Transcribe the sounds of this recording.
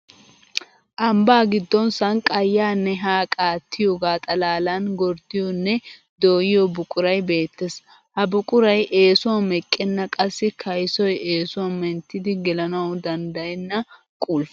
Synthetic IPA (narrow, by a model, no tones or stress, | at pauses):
ʔɐmbaːɡɪd̪ːɔnsɐnkʼɐjːaːnːɛɦaːkʼaːt̪ːɪjoɡaːt̪ʼɐlaːlanɡɔɾd̪ɪjɔnːɛ | d̪o̞ːjɪjɔbʊkʼʊɾɐjbe̞ːt̪ːɛs | hɐbʊkʼʊɾɐjʔe̞ːsʊwɐmɛkʼːɛnːɐkʼɐsːɪkʰɐjsɔjeːsʊwɐnmɛnt̪ːɪd̪ɪɡɛlɐnɐwʊd̪ɐnd̪ɐjɛnːɐ | kʼuːlf